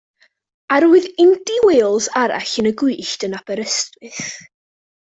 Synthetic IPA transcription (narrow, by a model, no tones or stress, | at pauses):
aɾuɨðɪndiweːlˠzaɾa̰ɬənəɡwɪːɬtənabɛɾəstwɨθ